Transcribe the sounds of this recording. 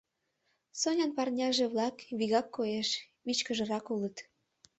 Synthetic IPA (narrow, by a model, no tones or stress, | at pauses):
sonʲɑnpɑrnʲɑʒeβlɑkβiɣɑkːoeʃ | βit͡ɕkəʒə̆ɾɑkulət̪